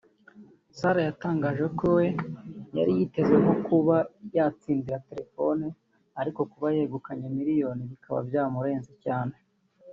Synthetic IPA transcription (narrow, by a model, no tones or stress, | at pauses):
saɾajataːŋɡaːʒe̞kowe̞ja̰ɾijite̞zweɦo̞kuβajat͡siːndiɾate̞ɾe̞fo̞ni | aɾiko̞kuβajeːɡukaɲemiɾijo̞ːniβikʰaβa̰bjaːmuɾe̞ːnzicaːne̞